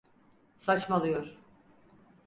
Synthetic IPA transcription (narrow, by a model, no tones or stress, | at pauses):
sat͡ʃmalˠɯjoɾ̥